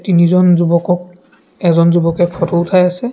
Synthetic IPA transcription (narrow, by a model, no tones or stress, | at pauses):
tinizɔnzubɔkɔk̚ | ɛzɔnzubɔkɛkʰɔtɔutʰajasɛ